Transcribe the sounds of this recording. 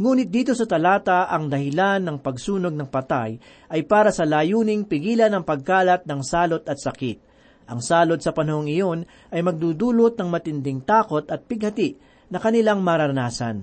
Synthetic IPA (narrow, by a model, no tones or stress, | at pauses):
ŋuːnɪt̪̚d̪iːt̪o̞sɐt̪ɐlaːt̪ɐʔɐŋd̪ɐhɪlanːɐŋpɐɡsuːno̞ɡ̚nɐŋpɐt̪aj | ʔɐjpaːɾɐsɐlaːjuːnɪŋpɪɡiːlɐnːɐŋpɐɡ̚kaːlɐt̪̚nɐŋsaːlo̞t̪ɐt̪̚sɐkɪt̪̚ | ʔɐŋsaːlo̞t̪̚sɐpɐnɐhoŋɪjo̞n | ʔɐjmɐɡ̚d̪uːd̪uːlot̪̚nɐŋmɐt̪ɪnd̪ɪŋt̪aːko̞t̪ɐt̪̚pɪɡ̚hɐt̪ɪʔ | nɐkɐnɪlaŋmɐɾɐɾɐnaːsɐ̰n